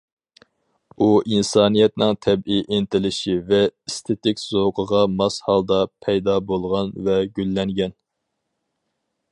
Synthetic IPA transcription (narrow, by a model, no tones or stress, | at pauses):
uʔinsɑːnijɛt̪nɪŋt̪ʰɛbiʔent̪ɪlɪʃivɛist̪ʰet̪ɪkʲz̥oqʰəʁɑmɑshɑlˠd̪ɑpʰɛjd̪ɑbolˠʁɑnvɛɡʲylːɛŋɡʲɛn